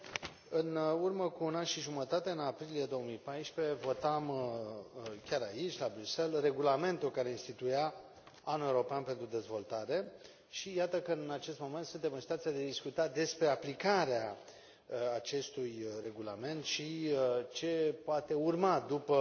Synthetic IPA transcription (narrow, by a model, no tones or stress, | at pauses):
ɨnurməkuːnanʃiʒumət̪at̪e̞ɨnapɾilije̞d̪o̞womipajʃpe̞vo̞t̪am | kʲaɾait͡ʃʲlabɾuse̞lre̞ɡulame̞nt̪ulkaɾe̞inst̪it̪uja | anuewuɾo̞peanpe̞nt̪ɾud̪e̞zvo̞lt̪aɾe̞ | ʃijat̪əkənat͡ʃe̞st̪mo̞me̞nt̪sunt̪emɨnsit̪at̪ijad̪ead̪iskut̪ad̪e̞spɾe̞aplikaɾeaː | t͡ʃe̞st̪ujre̞ɡulame̞nt̪ʃit͡ʃe̞poat̪e̞urmad̪upə